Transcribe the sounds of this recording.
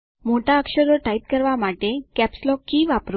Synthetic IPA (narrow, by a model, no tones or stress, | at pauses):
moʈaəkɕəɾəʈaip̚kəɾʋamaʈekæpslɔkːiːʋapɾu